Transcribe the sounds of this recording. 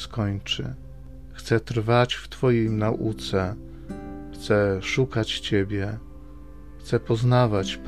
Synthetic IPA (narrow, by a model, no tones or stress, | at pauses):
skɔɲt͡ʂɘ̰ | xt̪sɛt̪ɾvat͡ɕft̪fɔjejnaʔṵt̪sɛ | xt̪sɛʂukat͡ɕt͡ɕebʲjɛ | xt̪sɛpɔznavat͡ɕp